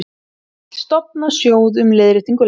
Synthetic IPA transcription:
st̪ɔp̚nasjoːwðʏmleːðɾɪt̪iŋkʏ

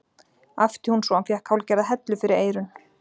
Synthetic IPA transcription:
aft̪ɪhunsɔanfjɛhkʰawlcɛɾðaɦɛt̪lʏfɪɾɪɾeːjɾʏn

